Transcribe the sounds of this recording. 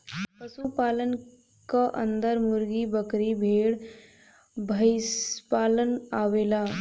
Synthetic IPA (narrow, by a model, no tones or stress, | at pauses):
pəsupaːlən | kaʔə̰nd̪əɾmuɾɡibəkɾibʱeːɽ | bʱəɪspaːlənaʋeːlaː